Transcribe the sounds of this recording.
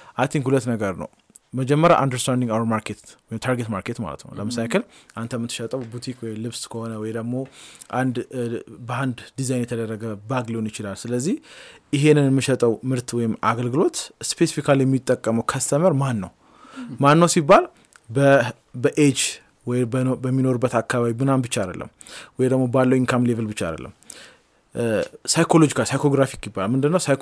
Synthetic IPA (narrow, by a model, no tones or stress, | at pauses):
ʔajt̪ʰiŋkhulət̪ːnəɡəɾnə̰w | məd͡ʒɛmːəɾjaʔand̪əɾst̪ʰand̪iŋɡawəɾmaɾkʰet̪wɔjɪmt̪ʰaɾɡet̪maɾkʰe̞t̪ma̰lə̰t̪nə̰wləməsajkʰəlʔant̪ʰəmːɨt̪ːɨʃət̪ʼəwbut̪ʰikʰwɔjlɨβskʰəho̞nəwɔjd̪əɡmo̞ʔand̪bəand̪d̪izajnjɛt̪ʰəd̪ərːəɡəbaɡlewnjɪt͡ʃɪlalsɨləzːihjɪɦe̞nːɨnjɛmːɨʃɛt̪ʼəwmɨɾt̪wɔjɪmaɡəlɡɨlo̞t̪spʰesifikʰaljɛmːit̪ʼːəkʼːəməwkʰəst̪ʰəməɾmanːə̰w | manːəwsibːal | bə | bəʔed͡ʒ | wɔjbəmːino̞ɾubːət̪akːaβaβimɨnanbɨt͡ʃːaad̪ə̰lːʔə̰mwɔjd̪əɡmo̞balːəwiŋkʰamlevəlbɨt͡ʃːaa̰d̪ə̰lːʔə̰mː | sajkʰo̞lo̞d͡ʒikʰasajkʰo̞ɡɾafikʼjɪbːalalmɨnd̪ɨnːəwsaj